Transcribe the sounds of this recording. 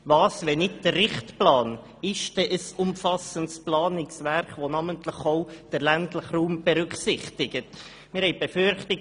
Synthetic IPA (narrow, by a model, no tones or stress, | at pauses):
vɑːsʋɛnɪtd̥ərːɪχtplɑːn | ɪʃd̥ɛʔəsʊmfɑsəntsplɑːnɪksʋɛrkʋonɑməntləχoʊd̥əɾlæntləχruːmb̥ɛɾʏksɪχtɪɡət | mɪɾhɛɪb̥efʏɾχtɪ